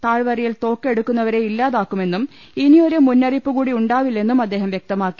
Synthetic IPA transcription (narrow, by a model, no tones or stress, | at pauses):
t̪aːɻʋɐrijilt̪o̞ːkːe̞ɽukːunːɐʋɐɾe̞ilːaːðaːkːume̞nːum | inio̞ɾumunːɐripːuɣuːɽiuɳɖaːʋilːe̞nːumɐd̪ːe̞ːɦɐmjek̚t̪ɐmaːkːi̥